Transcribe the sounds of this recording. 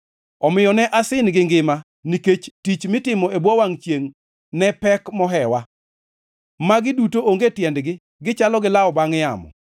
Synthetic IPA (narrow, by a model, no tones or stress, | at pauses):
ɔmɪjɔnɛʔasɪnɡɪŋɡɪma | niket͡ʃtit͡ʃmɪtɪmɔebwɔwaŋt͡ʃjeŋ | nɛpɛkmɔɦɛwa | maɡɪdutooŋɡetjɛndɡɪ | ɡɪt͡ʃalɔɡɪlaɔbaŋja̰mɔ̰